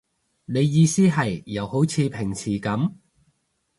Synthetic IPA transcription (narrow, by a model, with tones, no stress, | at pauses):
ne˨˧jːiː˨˧siː˥ɦɐ˨jːɐ˨˧who˨˥wt͡sʰiː˨˧pʰɪ˨˩ŋt͡sʰiː˨˩kɐ˨˥m